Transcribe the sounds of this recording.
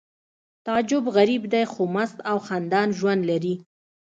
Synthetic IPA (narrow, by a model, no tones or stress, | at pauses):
t̪ɑd͡ʒʊbɣaɾibd̪ajxomast̪awxand̪ɑnʒwand̪laɾi